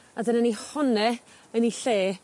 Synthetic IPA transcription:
adənɛnihɔnɛ | əniɬeː

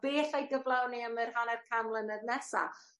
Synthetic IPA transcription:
b̥eːθajɡəvlˠawniamɨrhanɛr̥kʰamlˠənədnɛsa̰

